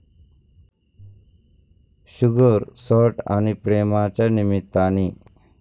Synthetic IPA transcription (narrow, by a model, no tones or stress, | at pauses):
ɕuɡəɾsɔʈa̰nipɾemãt͡ɕanimit̪ːani